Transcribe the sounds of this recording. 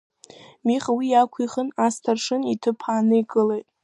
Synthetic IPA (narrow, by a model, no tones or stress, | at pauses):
miχwijakʷʰiχənastʰarʂɨnitʰɨpʰaːnɨjɡʼɨlejtʼ